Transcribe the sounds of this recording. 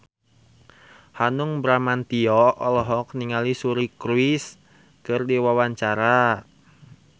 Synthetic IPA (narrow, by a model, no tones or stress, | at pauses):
hanuŋbɾamant̪iɔɔlɔɦɔk̚niŋalisuɾikɾuɪs | kɨrdiwawaɲt͡ʃaɾa